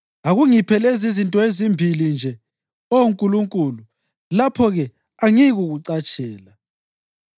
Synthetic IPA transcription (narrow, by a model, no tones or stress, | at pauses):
aɣuŋipʰɛlezizintʼɔezimbʱilind͡ʒʱɛ | ouŋkʼuluŋkʼulu | lapʰɔɣɛ | aŋiɣuɣuǀat͡ʃʼɛːla